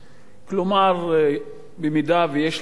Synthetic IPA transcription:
klomaʁ | bemid̪avejeʃ

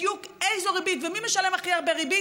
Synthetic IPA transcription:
jukejzoʁibitvemimeʃale̞maχiaʁbeʁibi

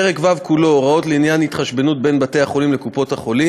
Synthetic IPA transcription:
eʁekvavkulo̞ʁao̞tleinjanhit̪χaʃbenut̚be̞nbate̞jhaχo̞limlekupo̞thaχo̞li

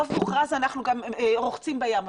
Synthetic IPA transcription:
ovmuχʁazanaχnuɡamʁoχt͡simbajam

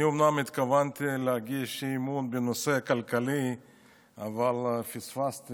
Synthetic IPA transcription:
umnamɪt̪kavant̪ileaɡiʃimunbenoseakalkali | avalfisfast̪

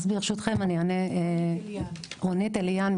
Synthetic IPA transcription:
zbiʁʃut̪χemaniane | ʁonit̪eljan

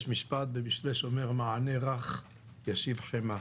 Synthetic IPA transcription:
ʃmiʃpat̪̚bemiʃleʃomeʁmaʕaneʁaχ | jaʃivħema

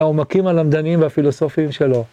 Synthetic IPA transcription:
omakimalamd̪animveafilo̞sofiimʃe̞lo̞

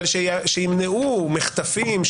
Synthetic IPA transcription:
lʃeʃejimneumeχt̪afimʃ

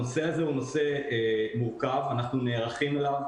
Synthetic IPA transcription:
oseazeuno̞seemuʁkavanaχnune̞ːʁaχimelav

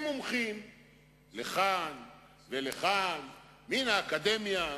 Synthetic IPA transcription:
momχim | leχan | veleχan | minaːkad̪emja

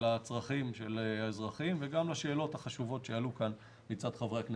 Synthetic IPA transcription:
at͡sʁaχimʃelaezʁaχimveɡamlaʃe̞ːlo̞thaχaʃuvo̞tʃealukan | mit͡sadχavʁeakn

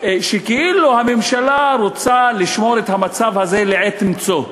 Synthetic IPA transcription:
ʃekeʔiluhame̞mʃalaɾot͡saliʃmo̞ɾet̪hamat͡savhaze̞leʕetimt͡so̞

